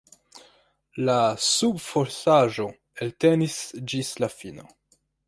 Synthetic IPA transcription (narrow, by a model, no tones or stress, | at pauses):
lasubfoɾsaʒo̞ | elte̞nisd͡ʒislafino̞̰